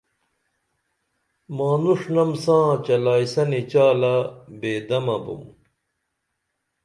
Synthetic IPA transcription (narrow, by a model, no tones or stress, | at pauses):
maːnuʂnɐmsãːt͡ɕɐlaːisɐnit͡ɕaːlɐbeːd̪ɐmɐbṵm